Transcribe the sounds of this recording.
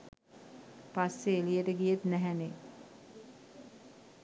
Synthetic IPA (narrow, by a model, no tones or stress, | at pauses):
pasːeːlijeʈəɡijet̪næɦæne